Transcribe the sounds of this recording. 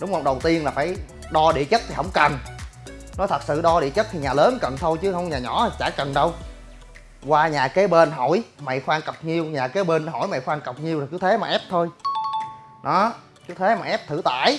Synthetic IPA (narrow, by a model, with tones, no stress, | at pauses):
ɗʊ˨˦wŋ͡mhə˧wŋ͡mɗə˨˩wt̪i˧ənlaː˨˩faː˧˩j | ɗɔ˧ɗḭ˧˨ət͡ɕə˦˥t̚t̪ʰi˨˩ɦə̰˧˩wŋ͡mkə˨˩n | nɔ˨˦t̪ʰə˨˩t̚sɨ̰˧˨ɗɔ˧ɗḭ˧˨ət͡ɕə˦˥t̚t̪ʰi˨˩ɲaː˨˩ləː˨˦nkə˨˩nt̪ʰo˧jt͡ɕɨ˨˦hə˧wŋ͡mɲaː˨˩ɲɔ̰˧˩˥t͡ɕa̰ː˧˩kə˨˩nɗə˧w | kwaː˧ɲaː˨˩ke˨˦ɓe˧nɦo̰˧˩˨jma̰˧˨jxwaː˧ŋkə˨˩wk͡p̚ɲi˧əwɲaː˨˩keː˨˦ɓe˧nɦo̰˧˩˨jma̰˧˩˨jxwaː˧ŋkə˨˩wk͡p̚ɲi˧wo˨˩kɨ˨˦t̪ʰe˨˦maː˨˩ʔɛ˦˥p̚t̪ʰo˧j | ɗɔ˨˦ | kɨ˨˦t̪ʰe˨˦maː˨˩ʔɛ˦˥p̚t̪ʰɨ˧˩t̪a̰ː˧˨j